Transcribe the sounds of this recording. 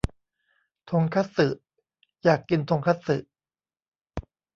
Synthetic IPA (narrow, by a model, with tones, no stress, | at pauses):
t̪ʰo˧ŋkʰa˦˥t̪̚sɯ˨˩ʔ | jaː˨˩kːi˧nt̪ʰo˧ŋkʰa˦˥t̪̚sɯ̰˨˩ʔ